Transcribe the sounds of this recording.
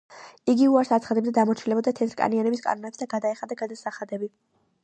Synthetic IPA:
iɡiuaɾsat̪sʰχad̪ɛbd̪ad̪amɔt͡ʃʰilɛbɔd̪at̪ʰɛt̪ʰɾkʼa̰nianɛbiskʼa̰nɔnɛpsd̪aɡad̪aɛχad̪aɡad̪asaχad̪ɛbi

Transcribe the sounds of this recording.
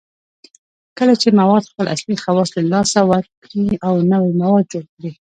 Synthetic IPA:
kəlat͡ʃemawɑd̪xpəlʔa̰slixawɑsləlɑsawaɾkɾiawnawimawɑd̪̚d͡ʒolkɽi

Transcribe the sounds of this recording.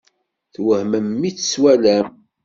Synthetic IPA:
θwəhməmːit͡sːswælæm

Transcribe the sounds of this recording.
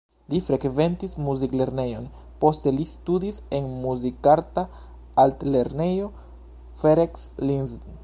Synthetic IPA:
lifɾe̞kve̞ntismuzikle̞ɾne̞jo̞n | po̞ste̞listudise̞nmuzikaɾta | altle̞ɾne̞jo̞ | feɾekslinzn

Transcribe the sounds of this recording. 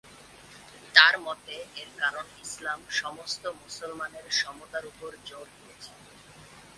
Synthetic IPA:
t̪aɾmɔt̪eeɾkaɾonislamʃɔmost̪omusolmaneɾʃɔmot̪aɾupoɾd͡ʑoɾɦijet͡ɕʰe

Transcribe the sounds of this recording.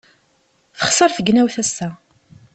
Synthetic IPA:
θə̥χsˤəɾˤθəɡnæwθæsːæ

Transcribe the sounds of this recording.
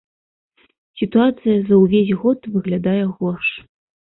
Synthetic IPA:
sʲit̪uat̪sɨjɐzɐwvʲesʲɣɔt̪vɨɣlʲad̪ajɛɣɔrʂ

